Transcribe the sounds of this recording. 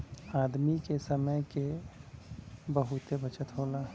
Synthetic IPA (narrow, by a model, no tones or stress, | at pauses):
aːd̪mikesəməjke | bəɦʊt̪ebət͡ʃət̪ɦoːla